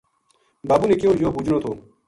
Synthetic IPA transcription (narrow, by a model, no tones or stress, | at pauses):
baːbuneːkjõːjoːbuːd͡ʒnoːt̪ʰoː